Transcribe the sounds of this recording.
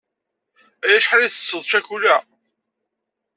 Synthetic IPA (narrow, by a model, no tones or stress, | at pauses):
æjæʃħalæθə̥sːəðˤʃæçulæ